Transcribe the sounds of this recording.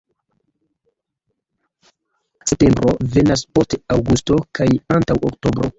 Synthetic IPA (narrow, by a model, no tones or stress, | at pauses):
sep̚te̞mbɾo̞ve̞nas̬po̞steawɡusto̞kʰajantawokto̞bɾo̞̰